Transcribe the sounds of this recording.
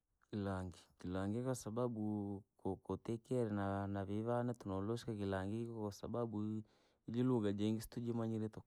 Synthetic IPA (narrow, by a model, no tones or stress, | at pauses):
kilaŋɡikilaŋɡikasababukokotɛkɛɾɛnanaβiβanatunɔloʃikakilaŋɡikkasa̰babu | ililuɣad͡ʒɛŋɡisi̥tud͡ʒimaɲiɾetɔ